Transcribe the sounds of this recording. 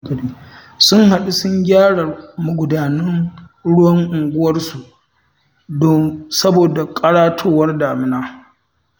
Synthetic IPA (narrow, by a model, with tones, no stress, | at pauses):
ɡɐ˨ɽiː˦ | sʊ˦ŋɦa˨ɗu˦sʊ˦ɲɡʲaː˦ɽɐ˨rmʊ˨ɡʷʊ˨daː˨nɐ˦n | ɽʊ˦wɐ˦ŋʔʊ˨ŋɡʷʊ˦wɐ˦rsu˨ʔ | dɔ˦sɐ˦boː˨da˨kʼɐ˦ɽaː˦tʰoː˦wɐ˦rdaː˨mɪ˦naː˦